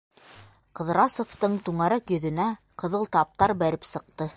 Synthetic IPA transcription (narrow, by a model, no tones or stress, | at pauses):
qɤ̆ðɾɑsoft̪ɤɴt̪uɴɑɾækjɵ̆ðɵ̆næ | qɤ̆ðɤlˠt̪ɑp̚t̪ɑɾbæɾɘpsɤ̆q̚t̪ɤ